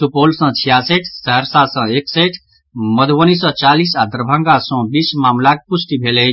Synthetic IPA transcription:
tupolsə̃t͡ʃʰijaseʈʰsəɦəɾsasə̃ekseʈʰ | məd̪ʱʋənisɔ̃t͡ʃalisad̪əɾbʱãŋɡasɔ̃bismaːmlak̚pusʈibʱele

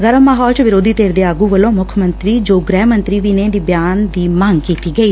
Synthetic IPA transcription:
ɡəɾəmːaːɦɔːlt͡ʃʋɪɾoːd̪iːt̪eːɾd̪eːaːɡuːʋəlõːmʊkʰmənt̪ɾiːd͡ʒoːɡɾɛːmənt̪ɾiːʋiːnẽːd̪iːbjaːnd̪iːmaŋɡkiːt̪iːɡəiː

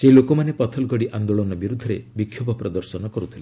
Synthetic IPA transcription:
selokomanepɔt̪ʰɔlɡʱɔɽiʔand̪oɭɔnɔbiɾud̪ʱːɔɾebikʰjobɔpɾɔd̪ɔɾsɔnɔkɔɾut̪ʰile

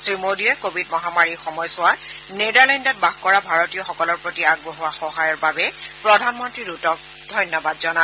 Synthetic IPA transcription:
sɹimodiɛkobʱidmɔɦamaɹixɔmɔjsʊwa | nedaɹlɛndɔt̚baɡkɔɹabʱaɹɔtijɔxɔkɔlɔɹpɹotiaɡ̚boɦuwaxɔɦajɔɹbabɛpɹɔdʱanmɔntɹiɹutɔk̚ | dʱɔjnjɔbadzɔna

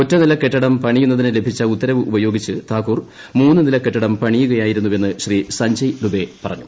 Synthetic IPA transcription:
o̞tːɐnilɐkːe̞ʈːɐɽɐmpɐɳijunːɐðinɨle̞bʱit͡ɕːɐut̪ːɐɾɐʋɨʔubɐjo̞ːɡit͡ɕːɨt̪ʰaːkːuːr | muːnːɨnilɐkːe̞ʈːɐɽɐmpɐɳijuɣɐjaːjiɾunːuʋe̞nːɨɕriːsɐɲd͡ʑɐjd̪ube̞pɐrɐɲːu

